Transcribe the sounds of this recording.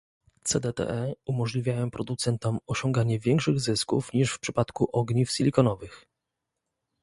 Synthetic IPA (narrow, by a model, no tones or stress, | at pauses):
t̪sɛd̪ɛt̪ɛ̰ʔɛumɔʐlʲivʲjajɔw̃pɾɔd̪ut̪sɛnt̪ɔmɔɕɔ̃ŋɡaɲɛvʲjɛŋkʂɘɣzɘskṵfɲiʂfpʂɘpat̪kuʔɔɡɲifsʲilʲikɔnɔvɘx